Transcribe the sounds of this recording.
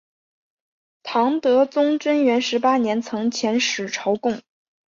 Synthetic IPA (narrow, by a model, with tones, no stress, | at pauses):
t̪ʰɑ˧˥ŋt̪ɤ˧˥t͡sʊ˥ŋʈ͡ʂə˥nɥɛ˧˥nʂɻ̩˧˥pa˥njɛ˧˥nt͡sʰɤ˧˥ŋt͡ɕʰjɛ˧˥nʂɻ̩˨˩ʈ͡ʂʰɑ˧˥ʊkʊ˥˩ŋ